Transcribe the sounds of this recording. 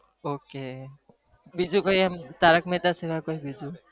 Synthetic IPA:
oke | bid͡ʒukɔɦjamt̪aɾakmet̪asebakoɦibid͡ʒu

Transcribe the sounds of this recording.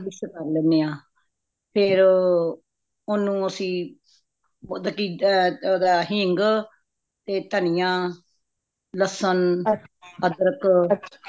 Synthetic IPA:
bɪsəkəɾlɛ̃ːneːãː | pʰɪɾ | ʊnũːəsĩː | od̪əkiːd̪aːɦɪŋɡ | t̪eːt̪ənijãː | ləsən | əd̪əɾək

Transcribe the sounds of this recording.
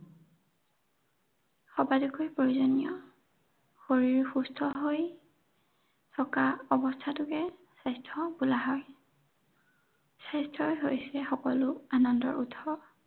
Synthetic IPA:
xɔbadukɔjpɹoɹuzɔnijɔ | xoɹiɹxustʰɔɦoj | tʰɔkaɔbɔstʰatʊkɛsajstʰɔbulaɦɔj | sajstʰɹɔjɦojsɛxɔkɔlʊanɔndɔ̰ɹʔutʰɔ

